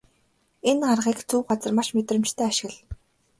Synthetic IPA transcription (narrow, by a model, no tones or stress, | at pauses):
enɢarʁiːkt͡sʰuːɢat͡sə̆rmaʃmet̪rə̆mt͡ɕt̪ʰæːaʃɪ̆ɣ̆ɮ